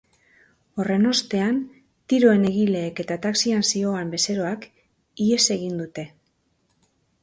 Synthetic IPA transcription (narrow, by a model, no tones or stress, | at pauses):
o̞re̞no̞st̪e̞an | t̪iɾo̞e̞ne̞ɣile̞ːke̞t̪at̪aksiansio̞ambe̞se̞ɾo̞ak | ie̞se̞ɣ̞ind̪ut̪e̞